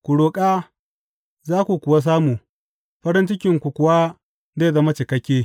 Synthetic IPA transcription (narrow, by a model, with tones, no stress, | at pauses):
kʷu˨ɽoː˨kʼa˦ | zaː˦kʷu˨kʷʊ˨wa˦s̬aː˦muː˨ | ɸɐ˦ɾɪ˦nt͡ʃɪ˦kʲɪ˨ŋkʷu˨kʷʊ˨wa˦ | zeː˦˨zɐ˦ma˦t͡ʃɪ˨kɐ˦kʲːeː˦